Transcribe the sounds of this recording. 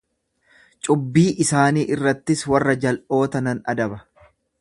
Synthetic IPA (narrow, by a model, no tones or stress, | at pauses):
t͡ʃʼʊbːiːʔɪsaːniːʔɪrːɐt̪ːɪswɐrːɐd͡ʒɐlʔo̞ːt̪ɐnɐnɐ̰d̪ɐbɐ